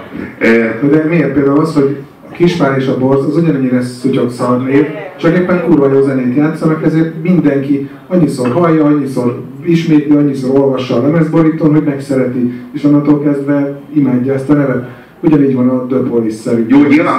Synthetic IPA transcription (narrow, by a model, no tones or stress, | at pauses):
ɛd̪ɛmer̚peːld̪aːulɒsho̞ɟ | ɒkiʃfaːɾeːʃɒbo̞rzɒzuɟɒnɛɲːiɾɛsuco̞k̪sɒd̪leːvt͡ʃɒkeːpːɛnkuːɾvɒjoːzɛneːt̪jaːt̪sɒmɛkɛzeːrt̪mind̪ɛŋki | ɒɲːisoːrɦɒjːɒɒɲːisoːr | iʃmeːt̪liɒɲːisoːɾo̞lvɒʃːɒnɛmɛzboɾiːt̪omɦo̞ɟmɛksɛɾɛt̪ieːʃɒnːɒt̪olkɛzd̪vɛimaːɟːɒɛst̪ɒnɛvɛt̪ | uɟɒniːɟvɒnɒd̪øbholisːɛɾinjoːi